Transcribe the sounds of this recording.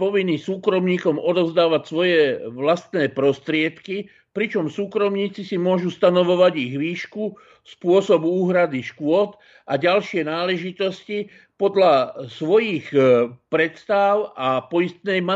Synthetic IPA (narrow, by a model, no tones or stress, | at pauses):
pɔʋinːisuːkɾɔmɲiːkɔmɔd̪ɔzd̪aːʋacsʋɔjɛʋlast̪nɛːpɾɔst̪ɾɪɛt̪ki | pɾit͡ʃɔmsuːkɾɔmɲiːt͡sisimʊɔʒust̪anɔʋɔʋaɟiɣʋiːʃku | spʊɔsɔbuuːɦɾad̪iʃkʊɔt̪ | ʔaɟalʃɪɛnaːlɛʒit̪ɔsci | pɔd̪lasʋɔjixpɾɛt̪st̪aʊapɔjist̪nɛjma